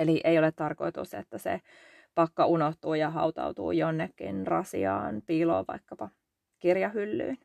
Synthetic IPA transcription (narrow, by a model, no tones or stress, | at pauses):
eliʔeijolet̪t̪ɑrkoit̪ṵsḛt̪ːæsḛ | pɑkːɑʔunoht̪uːjɑɦɑ̰ut̪ɑ̰ut̪ṵːjonːekːḭnrɑsḭɑ̰ːnpiːlo̰ːʋʋɑikːɑpɑ | kirjɑhylːy̰ːn